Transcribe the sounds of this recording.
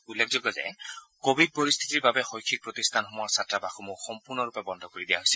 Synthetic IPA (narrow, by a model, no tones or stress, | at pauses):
ulːek̚ʰzɔɡɔzɛ̰kobʱid̚poɹist̪ʰi̥tiɹbabɛxojkʰːik̚pɹɔtist̪ʰanxɔmɔaɹsatɹabaxʰumoxɔmpuɹnɔɹupɛbɔnd̪ʱɔkoɹidijaɦojsil